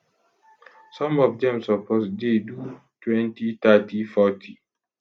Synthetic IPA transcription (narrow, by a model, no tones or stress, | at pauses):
sɔ̃mɔvdɛ̃msɔposdedu | twɛ̃ntit̪atifɔtʰi